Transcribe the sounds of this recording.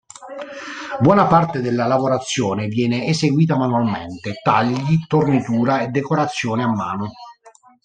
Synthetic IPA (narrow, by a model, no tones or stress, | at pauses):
bwɔːnapart̪ed̪elːalavoɾat̪sːjɔːnɪvjɛːneezeɡwiːt̪amanualment̪et̪aʎːit̪ornit̪uːɾaed̪ːekoɾat̪sːjɔːneamːa̰ːnʊ